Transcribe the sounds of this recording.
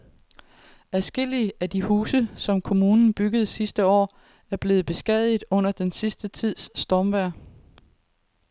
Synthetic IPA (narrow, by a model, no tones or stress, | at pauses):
æsɡ̥e̝l̰iəæd̥ihuːsəsɒ̽mkʰo̝muːnn̩b̥yɡ̥əð̞̩ˠsisd̥əɒ̰ː | æɐb̥le̝ːð̩ˠb̥e̝sɡ̥ɛð̰ˠið̩ˠɔ̽n̰ɐd̥ensisd̥ət͡sʰið̞̰ˠsːd̥ɒmʋæɐ̰